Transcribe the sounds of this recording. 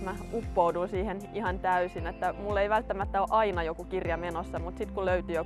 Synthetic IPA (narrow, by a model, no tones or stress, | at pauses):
mæupːoudunsiːhenihɑnt̪æysinet̪ːæmulːeiʋælt̪ːæmæt̪ːæoʔɑinɑjokukirjɑmenosːɑmut̪sit̪kuløyt̪yjo